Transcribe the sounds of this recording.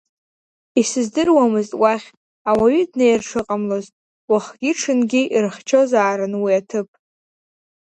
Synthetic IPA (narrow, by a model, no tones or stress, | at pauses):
isɨzdɨrwamɨztʼwaχʲ | awaɥidnejrʈ͡ʂʰɨqʼamlo̞ztʼ | waχɡʲiʈ͡ʂʰɨnɡʲiʔirχt͡ʃʰo̞zaːɾɨnwiatʰɨpʼ